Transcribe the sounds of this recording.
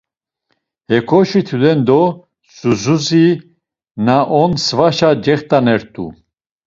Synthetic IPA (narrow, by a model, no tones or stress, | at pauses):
hɛkʰɔʃit̪ʰud̪ɛnd̪ɔ | suzuzi | naʔɔnsvaʃad͡ʒɛχt̪ʼanɛɾt̪ʼṵ